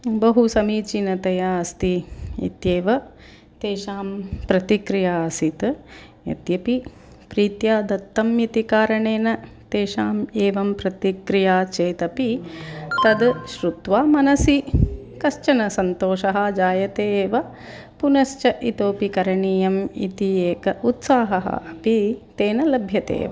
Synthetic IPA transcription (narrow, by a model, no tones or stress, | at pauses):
bɐɦusɐmiːt͡ʃinɐt̪ɐjaɐst̪iḭt̪jeːʋɐ | t̪eːʃaːmpɾɐt̪ikɾijaːɐsit̪ | jɐ̰t̪jɐpi | pɾiːt̪jaːd̪ɐt̪ːɐmjit̪ikaːɾɐɳeːnɐt̪eːʃaːmeːʋɐmpɾɐt̪ikɾijaːt͡ʃeːt̪ɐpit̪ɐd̪ʃɾut̪ʋaːmɐnɐsikɐʃt͡ʃɐnɐsɐnt̪oːʃɐɦɐd͡ʒaːjɐt̪eːʋɐ | punɐʃt͡ʃɐʔit̪oːpikɐɾɐɳiːjɐmḭt̪ieːkɐut̪saːɦɐɦɐ̰ɐpit̪eːnɐlɐbʱjɐt̪ḛːʋɐ̰